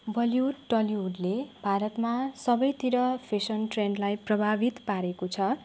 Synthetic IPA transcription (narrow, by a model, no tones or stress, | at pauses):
bʱʌljuʈʌliɦuɖlebʱaɾʌt̪masʌbʌjt̪iɾʌpʰesʌnʈrenɖlajprʌbʱabit̪paɾekot͡sʰʌ